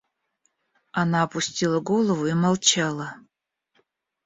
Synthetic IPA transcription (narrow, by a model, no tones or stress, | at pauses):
anaːpusʲtʲilˠɐɡolˠɐvuimalˠt͡ʃʰalˠɐ